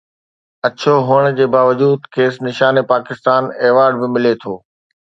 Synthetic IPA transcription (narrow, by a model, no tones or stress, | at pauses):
ɐt͡ɕʰoɦʊəɽ̃d͡ʑeːbaːʋəd͡ʑuːd̪kʰeːsnɪʃaːnepaːkɪst̪aːneːʋaːɾɖ̚bɪmɪlet̪ʰoː